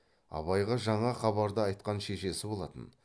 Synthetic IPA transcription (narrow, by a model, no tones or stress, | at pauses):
ɑ̰βɑjʁɑʒɑɴɑχɑβɑɾd̪əɑjt̪̚qɑnʃe̞ʃe̞sɪbo̞lˠɑt̪ə̰n